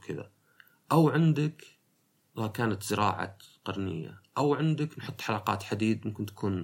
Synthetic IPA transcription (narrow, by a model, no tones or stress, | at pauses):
kʰɪða̰ | ʔawʕɪnd̪ɪk | lkaːnat̪z̥ɪɾɑ̰ːʕa̰qɑɾˤnɪ̰jːa̰ʔawʕɪnd̪aknħʊt̪ˤːħalɑːqɑ̰ːt̪ħad̪iːd̪mʊmkɪnt̪ḁkʰuːn